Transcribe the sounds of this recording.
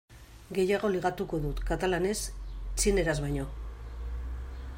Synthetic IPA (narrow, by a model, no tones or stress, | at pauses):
ɡe̞jaɣo̞liɣat̪uko̞ðut̪kat̪alane̞st͡ʃine̞ɾazβajɲo̞